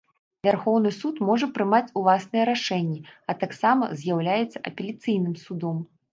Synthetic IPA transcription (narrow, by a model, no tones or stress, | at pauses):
vʲarxɔwn̪ɨsut̪mɔʐɐpɾɨmat͡sʲulˠasnɨjɛɾaʂɛnʲːɛɐt̪aksamɐ̰zʲjawlʲajɛt̪sːɐʔɐpʲelʲit̪sɨjn̪ɨmsud̪ɔm